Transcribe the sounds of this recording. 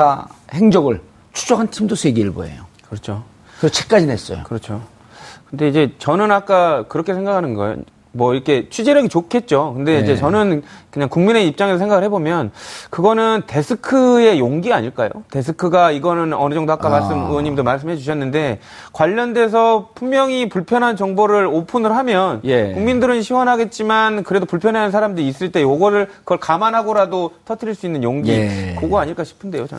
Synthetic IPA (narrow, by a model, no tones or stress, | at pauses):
aheŋd͡ʑʌɡɯɭ | t͡ɕʰu̥t͡ɕ͈ʰʌkʰantʰimdosʰweɡiɯɭbo̰ḛjokɯɾʌt͡ɕʰo | kɯt͡ɕʰek͈ad͡ʑines͈ʌ̰jokɯɾʌt͡ɕʰo | kɯnde̞id͡ʑe̞t͡ɕʌnɯnak͈akɯɾʌkʰe̞sʰe̞ŋɡakʰanɯnɡʌ̰jo̰ | mwʌiɾʌkʰe̞t͡ɕʰid͡ʑeɾjʌɡit͡ɕokʰe̞t̚t͡ɕ͈okɯnde̞id͡ʑe̞t͡ɕʌnɯnkɯɲaŋkuŋmine̞ip̚t͡ɕ͈aŋesʌsʰeŋɡaɡɯɭɦebomjʌnkɯɡʌnɯnte̞sʰɯkʰɯe̞joŋɡia̰ɲiɭk͈a̰jo̰te̞s̬ʰɯkʰɯɡaiɡʌnɯnʌnɯd͡ʑʌŋdoak͈amaɭs͈ɯmɯʌɲimdomaɭs̬͈ɯmɦed͡ʑuɕʰʌnːɯnde̞ | kwaʎːʌnde̞s̬ʰʌpʰummjʌŋipuɭpʰjʌnɦant͡ɕʌŋboɾɯɾopʰunɯɾɦamjʌnjkuŋmindɯɾɯnɕʰiwʌnɦaɡe̞t̚t͡ɕ͈imankɯɾe̞dopuɭpʰjʌnɦeanɯnsʰaɾamdɯɾiːs͈ɯɭt͈e̞joɡʌɾɯɭkɯɡʌɭkamanɦaɡʌɾadotʰʌtʰɯɾiɭs͈uinːɯnjoŋɡikoɡoaɲiɭk͈aɕʰi̥pʰɯnde̞jot͡ɕʌ̰n